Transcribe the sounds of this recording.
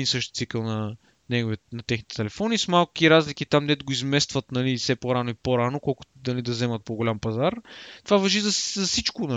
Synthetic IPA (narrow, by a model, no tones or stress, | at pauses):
insɤʃt̪t̪sikəlˠnɐ | nɛɡovinɐt̪ɛxnit̪ɛ̥t̪ɛlɛfɔnismalˠku̥kiɾazlikit̪amnɛt̪ɡoizmɛst̪vɐt̪nɐlifsɛpoɾanoipoɾanokɔlˠkʊt̪nɐlid̪ɐzɛmɐt̪̚poɡolʲampɐzaɾt̪ovavɐʒizɐszɐsit͡ʃkonɐ